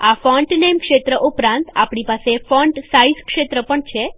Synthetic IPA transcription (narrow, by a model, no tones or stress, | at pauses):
afɔɳʈnemkʃet̪ɾəʔupɾãnt̪a̰pɳipasefɔɳʈsaizkʃet̪ɾəpəɳt͡ʃʰe